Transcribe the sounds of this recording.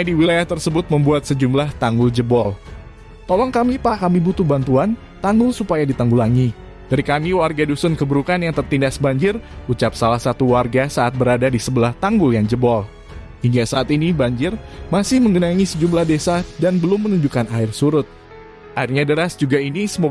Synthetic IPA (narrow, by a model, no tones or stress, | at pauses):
adiwilajaht̪ərsəbʊt̪̚məmbuat̪̚səd͡ʒumlaht̪aŋɡʊld͡ʒəbɔl | t̪ɔlɔŋkamipakamibut̪ʊhbant̪uan | t̪aŋɡʊlsupajadit̪aŋɡulaŋi | d̥aɾikamiwarɡadusʊnkəbəɾukanjaŋt̪ərt̪indasbaɲd͡ʒɪrut͡ʃap̚salahsat̪uwarɡasaat̪̚bəɾadadisəbəlaht̪aŋɡʊljaŋd͡ʒəbɔl | hiŋɡasaːt̪inibaɲd͡ʒɪrmasɪhməŋɡənaŋisəd͡ʒumlahdesadanbəlʊmːənuɲd͡ʒukanaɪrsuɾʊt̪̚ | ʔairɲadəɾasd͡ʒuɡainisəm